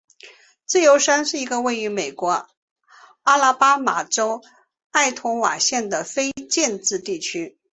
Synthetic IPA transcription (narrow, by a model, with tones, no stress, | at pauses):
t͡sɹ̩˥˩jo˧˥ʊʂa˥nʂɻ̩˥˩i˧˥ɡə˧we˥˩ɪy˧˥me˨˩ɪkwɔ˧˥ | a˥la˥pa˥ma˨˩ʈ͡ʂo˥ʊ | a˥˩ɪt̪ʰʊ˧˥ŋwa̰˨˩ɕjɛ˥˩nd̪ə˩fe˥ɪt͡ɕjɛ˥˧nt͡sɹ̩˥˧t̪i˥˩t͡ɕʰy˥